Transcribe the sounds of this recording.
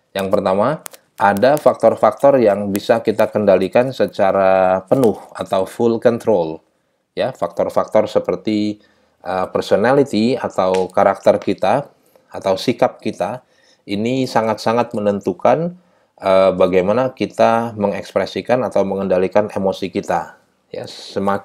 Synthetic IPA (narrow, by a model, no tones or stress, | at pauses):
jaŋpərt̪ama | ʔadafak̚t̪ɔrfak̚t̪ɔrjaŋbisakit̪akəndalikansət͡ʃaɾapənʊha̰t̪awfulkɔnt̪ɾol | jafak̚t̪ɔrfak̚t̪ɔrsəpərt̪i | ʔəpərsonalit̪ia̰t̪awkaɾak̚t̪ərkit̪aː | t̪awsikap̚kit̪a | inisaŋat̪saŋat̪̚mənənt̪ukan | əbaɡajmanakit̪aməŋɛkspɾɛsikanat̪awməŋəndalikanemosikit̪a | ja̰səma